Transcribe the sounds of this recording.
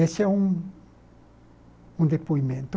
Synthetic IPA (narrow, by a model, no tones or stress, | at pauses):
eseũŋ | ũnd̪epoimẽnt̪o